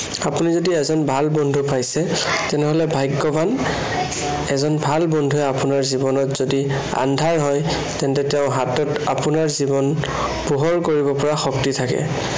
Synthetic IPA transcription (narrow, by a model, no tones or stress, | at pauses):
apunizodiɛzɔnbʱalbɔndʱupajsɛtɛnɛɦolɛbʱajɡːɔbʱan | ɛzɔnbʱalbɔndʱuɛapunaɹzibɔnɔtz̥odi | a̰ndʱaɹɦɔj | tɛntɛtɛʊ̃ɦatɔtapunaɹzibɔn | puɦɔɹkoɹibɔpɔɹaxɔk̚titʰakɛ̰